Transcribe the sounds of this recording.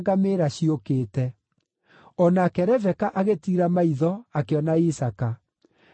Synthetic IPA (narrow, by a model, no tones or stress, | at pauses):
ɡameːɾaɕiokeːtɛ | ɔnakɛɾɛvɛkaʔaɣetiɾamaiðɔakeɔnaisaka